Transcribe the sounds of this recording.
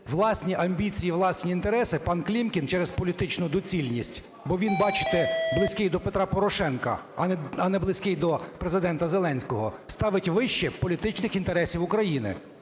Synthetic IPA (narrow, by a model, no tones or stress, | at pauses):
ʋlˠɑsʲnʲiʔɐmʲbʲit͡sʲijiʋlˠɑsʲnʲiint̪e̞ɾɛsɪpɑnklʲimkʲint͡ʃɛɾezpɔlʲit̪ɪt͡ʃnʊd̪ɔt͡sʲilʲnʲisʲtʲ | bɔʋʲinbɑt͡ʃɪ̥t̪ɛblˠɪsʲkɪjd̪ɔpet̪ɾɑpɔɾɔʃɛnkɐ̰ɐnɛblˠɪsʲkɪjd̪ɔpɾezɪd̪ɛnt̪ɐzelˠɛnʲsʲkɔɦɔst̪ɑʋɪtʲʋɪʃt͡ʃɛpɔlʲit̪ɪt͡ʃnɪxint̪eɾɛsʲiwʊkɾɐjinɪ̰